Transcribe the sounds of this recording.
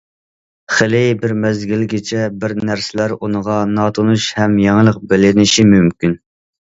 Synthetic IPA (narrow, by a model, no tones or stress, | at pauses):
χelɪbɪɾmɛzɡʲilɡʲɪt͡ʃʰɛbɪɾnæɾsɪlæɾunəʁɑnɑːt̪ʰonuʃhɛmjɛŋlˠəq̚bɪlɪnɪʃimymkʲyn